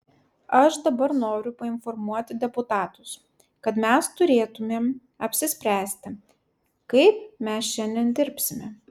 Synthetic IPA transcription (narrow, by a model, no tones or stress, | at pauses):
ɐʃd̪ɐbɐɾnoːɾʲʊpɐɪnfɔɾmuɔt̪ʲɪd̪ʲɛpʊt̪ɑːt̪ʊs | kɐt̪mʲɛst̪ʊɾʲeːt̪ʊmʲeːm | ɐpʲsʲɪsʲpʲɾʲæːsʲt̪ʲɪ | kɐɪpmʲɛsʃʲɛnʲd̪ʲɛnd̪ʲɪɾʲpʲsʲɪmʲɛ